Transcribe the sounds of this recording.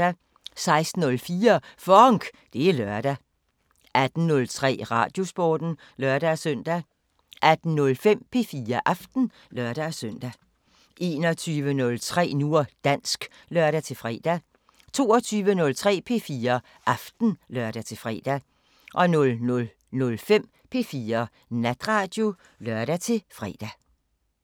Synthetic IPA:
æ | sɑ̈ɪsd̥n̩ːɔ̽lfiːɐfɒŋɡ̥ | d̥e̝ælɶɐd̥æ | æd̥n̩nɔ̽lt͡sʰʁɛ̰ːʁɑ̰̈d̥jo̝sb̥ɒ̰ːd̥n̩ | lɶɐɾ̥æsœn̰d̥æ | ʔæd̥n̩nɔ̽lfem̰pʰe̝fiːɐʔɑfd̥n̩ | lœɐɾ̥æsøn̰d̥æ | ʔe̝ːnɒt͡sʰyːʋənɔ̽lt͡sʰʁɛ̰ːnuɐ̰d̥æn̰sɡ̥ | lœɐɾ̥æt͡sʰe̝lfʁɛ̰ːd̥æ | t͡sʰo̝̰ːɒt͡sʰyːʋənɔ̽lt͡sʰʁɛ̰ːpʰe̝̰fiːɐ | ʔɑfd̥n̩lœɐ̰ɾ̥æt͡sʰe̝lfʁɛ̰ːd̥æ | ʔɒ̽nɔ̽lnɔl | nɔ̽lfem̰ | pʰe̝fiːɐ | næd̥ʁɑ̈ːd̥jo̝ | lœɐɾæt͡sʰe̝lfʁɛ̰ːd̥æ

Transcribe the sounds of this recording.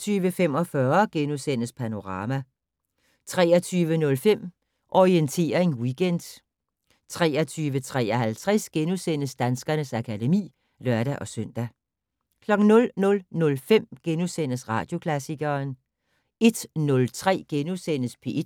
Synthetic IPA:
t͡sʰyːʋəfem̰ɒ̽fɶɐɡ̥enusen̰əspʰæno̝ʁɑ̈ːmæ | t͡sʰʁɛːɐt͡sʰyːʋənɔ̽lfem̰ | ʔɒient͡sʰe̝̰ːɐeŋwiɡ̥en̰d̥ | t͡sʰʁɛ̰ːɐt͡sʰyːʋət͡sʰʁɛ̰ːɐɦælt͡sʰʁɛsɡ̥enusen̰əsd̥ænsɡ̥ɐnəsækʰæde̝mḭː | lɶɐɾæʔɒ̽søn̰d̥æ | kʰlɒ̽ɡ̥n̩nɔ̽lnɔ̽lnɔ̽lfem̰ɡ̥enusen̰əsʁɑ̈ːd̥jo̝kʰlæsiɡ̥ɐːn | e̝d̥nɔ̽lt͡sʰʁɛ̰ːɡ̥enusen̰əspʰe̝ʔ

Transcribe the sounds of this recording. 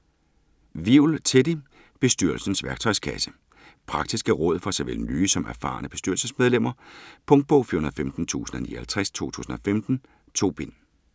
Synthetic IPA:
ʋiʊlt͡sʰed̥i | b̥e̝sd̥yɐl̩sn̩sʋæɐɡ̥̚t͡sʰɒ̽ɪskʰæsə̥ | pʰʁɑ̈ɡ̥̚d̥isɡ̥əʁɔ̽ð̰ˠfɒsɑʋelnyːsɒ̽mʔæɐfɑ̈ːnəb̥e̝sd̥yɐlsəsmeð̞ˠlem̰ɐpʰɔ̽ŋd̥̚b̥ɔʊfiɐɦunɐðˠfemd̥n̩t͡sʰṵːsn̩ɒnḭːɐhælt͡sʰʁɛst͡sʰo̝̰ːt͡sʰṵːsn̩ɒ̽femd̥n̩ | t͡sʰo̝̰ːb̥en

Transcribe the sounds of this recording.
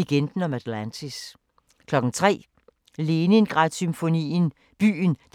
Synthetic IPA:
eɡ̥end̥n̩ɒ̽mæd̥lænt͡sʰis | kʰlɒ̽ɡ̥n̩t͡sʰʁɛ̰ː | le̝ːnenɡ̥ʁɑ̈d̥symfo̝nḭːn | b̥y̰ːnd̥

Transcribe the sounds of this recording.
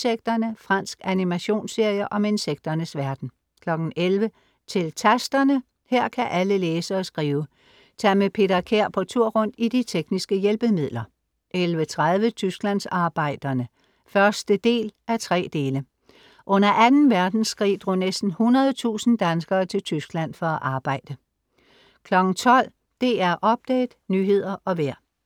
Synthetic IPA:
seɡ̥̚d̥ɐnəfʁɑ̈n̰sɡ̥ænimæɕo̝̰ːnse̝ɐ̰jəʔɒ̽me̝nseɡ̥̚d̥ɐnəsʋæɐd̥n̩ | kʰlɒ̽ɡ̥n̩ʔelʋə | t͡sʰe̝lt͡sʰæsd̥ɐnə | heɐ̰kʰæʔæləleːsəɒ̽sɡ̥ʁiːʊə | t͡sʰɛ̰ːmepʰe̝ːd̥ɐkʰeɐ̰pʰɒ̽t͡sʰuɐ̰ʁɔ̽n̰d̥id̥it͡sʰeɡ̥nisɡ̥əjelb̥əmið̞̰ˠlɐ | ʔelʋət͡sʰʁað̞ˠʋət͡sʰysɡ̥læn̰sɑ̈ːb̥ɑ̈ɪ̰d̥ɐnə | fɶɐsd̥əd̥e̝̰ːlʔæɐt͡sʰʁɛ̰ːd̥e̝ːlə | ʔɔ̽n̰ɐʔænn̩ʋæɐd̥n̩sɡ̥ʁḭːd̥ʁo̰ːnesd̥n̩hunɐð̞ˠt͡sʰṵːsn̩d̥ænsɡ̥ɐːt͡sʰe̝lt͡sʰysɡ̥læn̰fɒ̽æʔɑ̈ːb̥ɑ̈ɪ̰d̥ə | kʰlɒ̽ɡ̥n̩t͡sʰɒ̽l̰ | d̥e̝æɐʔɒ̽b̥̚d̥ɛ̰ːd̥nyːɦe̝ð̞̰ˠɐʔɒ̽ʋeɐ̰

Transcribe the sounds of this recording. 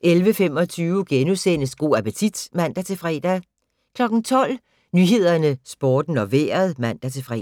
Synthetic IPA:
ʔelʋəfem̰ɒ̽t͡sʰyːʊɡ̥enusenəsɡ̥o̝̰ːæpət͡sʰid̥mæn̰d̥æt͡sʰe̝fʁɛ̰ːd̥æ | kʰlɒ̽ɡ̥n̩t͡sʰɒ̽l̰ | nyɦe̝ð̞̰ˠɐnəsb̥ɒːd̥n̩ɒ̽ʋḛːɐð̞ˠmæn̰d̥æt͡sʰe̝fʁɛ̰

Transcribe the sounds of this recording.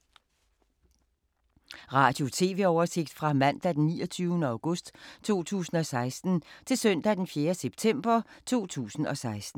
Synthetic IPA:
ʁɑ̈ːd̥jo̝t͡sʰe̝̰ːʋe̝ɒʊɐse̝ɡ̥d̥fʁɑ̈mæn̰d̥æd̥enːḭːɒt͡sʰyːʊnəɑ̈ʊɡ̥ɔ̽sd̥t͡sʰo̝̰ːt͡sʰṵːsn̩ɒ̽sɑ̈ɪsd̥n̩t͡sʰe̝lsœn̰d̥æd̥enfjeːɐseb̥̚t͡sʰem̰b̥ɐt͡sʰo̝̰ːt͡sʰṵːsn̩ɒ̽sɑ̈ɪsd̥n̩

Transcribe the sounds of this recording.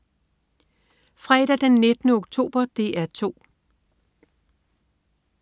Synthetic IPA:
fʁɛːɾ̥æd̥enːe̝d̥nəoɡ̥̚t͡sʰo̝̰ːb̥ɐd̥e̝ʔæɐt͡sʰo̝̰ː

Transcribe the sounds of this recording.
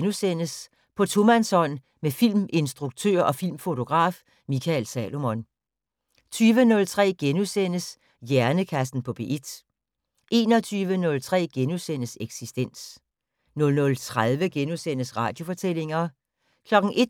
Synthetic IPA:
nusen̰əs | pʰɒ̽t͡sʰo̝mænsɒ̽n̰ | mefil̰me̝nsd̥ʁuɡ̥̚t͡sʰø̰ɐʔɒ̽fil̰mfo̝t͡sʰo̝ɡ̥ʁɑ̰̈ːf | mikʰælsɛ̰ːlo̝mɔn | t͡sʰyːʋənɔ̽lt͡sʰʁɛ̰ːɡ̥enusen̰əs | jæɐnəkʰæsd̥n̩pʰɒ̽b̥e̝ʔed̥ | ʔe̝ːnɒ̽t͡sʰyːʋənɔ̽lt͡sʰʁɛ̰ːɡ̥enusen̰əseɡ̥sisd̥en̰s | nɔ̽lnɔ̽lt͡sʰʁaðˠʋəɡ̥enusen̰əsʁɑ̰̈ːd̥jo̝fɒ̽t͡sʰel̰e̝ŋɐ | kʰlɒ̽ɡ̥n̩ʔe̝d̥

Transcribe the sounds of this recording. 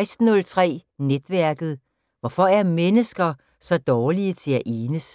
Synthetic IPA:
ɪsd̥nɔ̽lt͡sʰʁɛ̰ː | ned̥ʋæɐɡ̥ð̞̩ˠ | ʋɒfɒ̽æɐmenəsɡ̥ɐ | sɒ̽d̥ɒːliət͡sʰe̝læʔeːnəs

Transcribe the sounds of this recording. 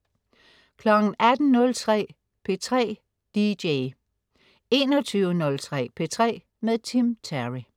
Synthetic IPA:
kʰlɒ̽ɡ̥n̩ʔæd̥n̩nɔ̽lt͡sʰʁɛ̰ː | pʰe̝t͡sʰʁɛ̰ː | d̥ideɪ | e̝̰ːnɒt͡sʰyʊənɔ̽lt͡sʰʁɛ̰ːpʰe̝t͡sʰʁɛ̰ː | meðˠt͡sʰimt͡sʰæʁi

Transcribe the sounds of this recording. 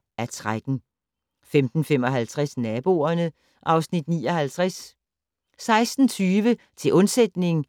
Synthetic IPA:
æɐt͡sʰʁaɡ̥n̩ | femd̥n̩fem̰ɒ̽ɦælt͡sʰʁasnɛːb̥o̝ɐnə | ʔɑ̈ʊsnid̥nḭːɒ̽hælt͡sʰʁas | sɑ̈ɪsd̥n̩t͡sʰyːʋə | t͡sʰe̝lʔɔ̽nsed̥ne̝ŋ

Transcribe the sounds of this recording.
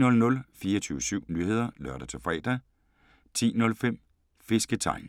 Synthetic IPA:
nɔ̽lnɔ̽lfiːɐɒt͡sʰyːʊəsyʊ̰nyːhe̝ð̞̰ˠɐlɶɐ̰ɾ̥æt͡sʰe̝fʁɛ̰ːd̥æ | t͡sʰḭːnɔ̽lfem̰ | fe̝sɡ̥ət͡sʰɑ̈ɪ̰n

